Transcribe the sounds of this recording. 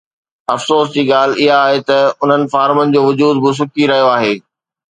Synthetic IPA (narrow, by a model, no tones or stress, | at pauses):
ɐfsoːsd͡ʑiːɠaːl̤ɪɦaːɦet̪ɐʊn̤ənɪ̆faːɾmənɪ̆d͡ʑoːʋʊd͡ʑuːd̪̚bɪs̬ʊkʰiɾɐɦijoaːɦeː